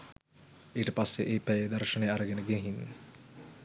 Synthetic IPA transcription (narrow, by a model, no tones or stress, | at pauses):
iːʈəpasːeʔeːpæjd̪ɐɾʃənejaɾəɡenəɡeɦinː